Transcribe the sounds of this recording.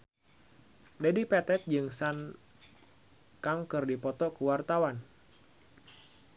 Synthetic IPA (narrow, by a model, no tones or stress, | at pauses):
dadipɛt̪ɛt̪̚d͡ʒɨŋsan | kaŋkɨrdipɔt̪ɔkuwart̪awan